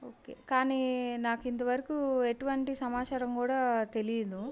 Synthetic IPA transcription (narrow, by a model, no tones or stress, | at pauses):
oːkḛːkaːninaːkint̪̬ɐʋɐɾɐkueʈuʋɐɳʈisɐmaːt͡ʃaːɾɐmkuːɽaːt̪e̞lijd̪u